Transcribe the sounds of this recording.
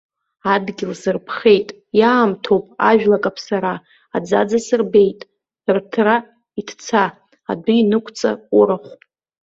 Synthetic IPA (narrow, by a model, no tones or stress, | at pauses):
adɡʲɪlsɨrpʰχe̞jtʼ | jaːmtʰowpʼa̰ʒᶣlakʼapʰsaɾa | ad͡zad͡zasɨrbe̞jtʼ | rtʰra | itʰt͡sʰa̰ː | dʊinɨkʷʼʰt͡sʼa̰uɾaχʷ